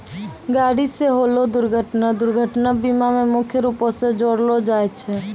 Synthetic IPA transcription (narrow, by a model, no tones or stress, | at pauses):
ɡaɽiseɦolod̪uɾɡʱəʈnad̪uɾɡʱəʈnabimamemukʰjəɾuposed͡ʒoɽlod͡ʒajt͡ʃʰɛ